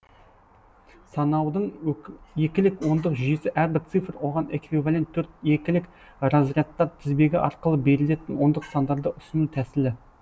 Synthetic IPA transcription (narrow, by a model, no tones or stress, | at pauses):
sɑnɑwd̪əɴje̞kʲɪlɪkwo̞nd̪əqʒʏjesɪʔæɾbɪɾt̪sɨfɾwo̞ʁɑne̞kvivalʲe̞nt̪ʰːɵɾt̪je̞kʲɪlɪk | rozijɑt̪ːɑɾt̪ʰɪzbe̞ɡʲɪʔɑ̰ɾqəlˠəbe̞ɾɪle̞t̪ɪnwo̞nd̪əqsɑnd̪ɑɾd̪əʔʏsɪnut̪ʰæsɪlɪ